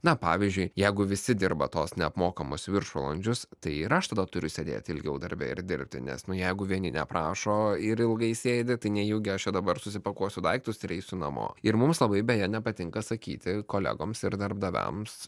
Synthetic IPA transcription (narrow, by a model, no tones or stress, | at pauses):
nɐpɑ̰ːʋʲizʲd͡ʒʲʊɪjɛɪɡʊʋʲɪsʲɪd̪ʲɪrbɐt̪oːsnʲɛɐpmoːkɐmʊsʋʲɪrʃolˠɐnʲd͡ʒʲʊst̪ɐɪɪɾɐʃt̪ɐd̪ɐt̪ʊɾʲʊsʲed̪ʲḛːt̪ʲɪlʲɡʲɛʊd̪ɐɾʲbʲɛ̰ɪ̰ɾd̪ʲɪɾʲp̚ʲt̪ʲɪ̰nʲɛ̰snʊjɛɪɡʊʋʲiɛnʲɪnʲɛ̰pɾɑːʃoːɪɾɪlˠɡɐɪsʲeːd̪ʲɪt̪ɐɪnʲɛjuːɡʲɪɐʃt͡ʃʲɛd̪ɐbɐɾsʊsʲɪpɐkuɔsʲʊd̪ɐɪk̚t̪ʊsɪɾɛɪsʲʊnɐmo̰ːɪɾmʊmslˠɐbɐɪbʲɛjɛnʲɛpɐt̪ʲɪŋkɐsɐkʲḭːt̪ʲɪkoːlʲæ̰ɡoːmsɪɾd̪ɐrbd̪ɐʋʲæ̰ms